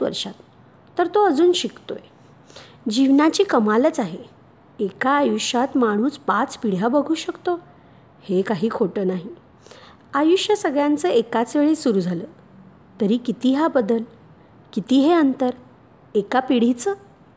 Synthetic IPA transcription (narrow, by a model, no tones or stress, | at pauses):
ʋə̰ɾʂat̪ː | əɾt̪oəd͡zuːnɕikt̪o̰je | d͡ʑiʋnat͡ɕiːkəmalət͡saɦe | ekaːjuɕat̪maɽ̃uːspat͡spiɽ̤jabəɡʱuːɕəkt̪o | hekaɦiːkʰoʈəːnaɦi | ajuɕjəsəɡɭjant͡səːekat͡sʋeɭisuɾud͡zʱaləː | t̪əɾiːkit̪iɦabəd̪əl | kit̪iɦeənt̪əɾ | ekapiɽ̤it͡səː